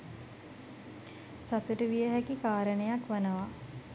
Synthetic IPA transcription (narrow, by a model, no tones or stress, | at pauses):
sat̪uʈəʋijəɦækikaːɾənəjakʋanəʋa